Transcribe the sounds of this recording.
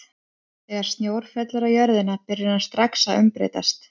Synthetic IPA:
θɛːɣaɾ̥st̪njoːwɾ̥fɛt̪laɾajœɾðɪnapɪɾʏnast̪ɾaksaʏ̰mpɾḛːt̪a̰st̪

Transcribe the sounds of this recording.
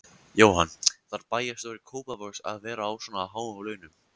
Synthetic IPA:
joːwhanːθaɾpaːjast̪owɾɪkʰoːwpavœɾsa̰ðvɛːɾaːwsɔnaːwɦaːwawlœːɥnʏm

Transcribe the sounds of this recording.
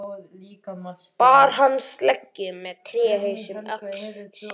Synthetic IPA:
paːɾ̥ɦanːst̪lɛcːʏmɛðt̪ʰɾɛːɦesʏmœks

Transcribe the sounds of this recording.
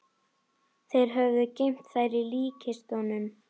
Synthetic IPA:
θejɾ̥ɦœvðʏcejm̥t̪θajɾiliːcʰɪst̪ɔnʏm

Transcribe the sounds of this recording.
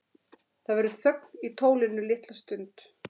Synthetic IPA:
θaðvɛɾʏθœk̚n̥it̪ʰoːwlɪnːʏlɪht̪last̪ʏnt̪

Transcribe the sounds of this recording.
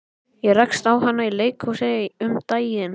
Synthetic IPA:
jɛrajkst̪awɦanːaileːjkʰhusɛɪʏmt̪aːjɪn

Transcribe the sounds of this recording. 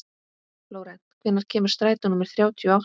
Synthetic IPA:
floːwɾɛn̥t̪kʰvɪnːaɾ̥cʰɛːmʏɾ̥st̪ɾaːjt̪anʏmːɛɾ̥θɾjaːwt̪ʰjʏɔaw

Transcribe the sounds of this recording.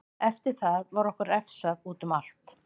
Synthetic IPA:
ɛft̪ɪɾ̥θaðvaɾɔhkʏɾɛfsaðuːt̪ʏmal̥t̪

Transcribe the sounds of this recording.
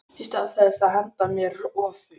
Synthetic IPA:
hist̪aðθɛðsaðhɛnt̪amjɛɾɔːfʏ

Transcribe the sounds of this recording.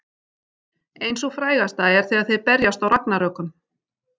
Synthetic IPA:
ejnsɔɣfɾaːjɣast̪aɛɾ̥θiaðθejðpɛɾjast̪awɾaknaɾœkʏm

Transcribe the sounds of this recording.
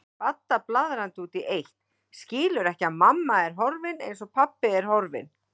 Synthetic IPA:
pat̪ːaplaːðɾant̪uːt̪iʔejht̪ | scɪːlʏɾɛhcɪaðmamːaɛɾ̥ɦɔɾvɪnḛjns̬ɔɣpʰapːɪɛɾ̥hɔɾvɪ̰n

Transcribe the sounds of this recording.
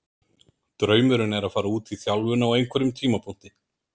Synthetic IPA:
t̪ɾœːɥmʏɾʏnɛɾaðfaːɾauːt̪viθjawlvʏnaːwejnkʰɛɾʏmt̪ʰiːmapʰun̥t̪ɪ

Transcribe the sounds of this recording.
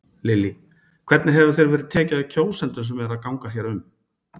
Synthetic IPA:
lɪlːi | kʰvɛt̪nɪɦɛvʏ̥θejɾvɛːɾɪðt̪ʰɛːcaðɪcʰoːwsɛnt̪ʏs̬ɛmɛɾaðkawŋkaçjɛɾʏm

